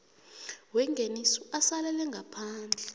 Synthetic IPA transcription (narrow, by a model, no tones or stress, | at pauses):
wɛŋɡʱenisuasalɛlɛŋɡʱapʰaːnd͡ɮʱɛ